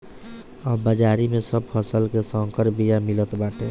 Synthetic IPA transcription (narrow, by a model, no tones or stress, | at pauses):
əbəd͡ʒaːɾimẽsəb̚pʰəsəlkesəŋkəɾbijamilət̪baːʈẽ